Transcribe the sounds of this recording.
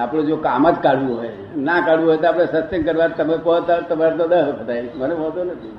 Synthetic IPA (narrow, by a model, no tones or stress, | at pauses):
apɽõd͡ʒokamət̪kaɽʋũɦɔj | nakaɽʋũɦɔjt̪oapɽ̃esəst̪eŋkəɾʋaɾt̪əmekɔt̪at̪əmaɾt̪õd̪əɦkət̪ajmənebʱolt̪onət̪ʰi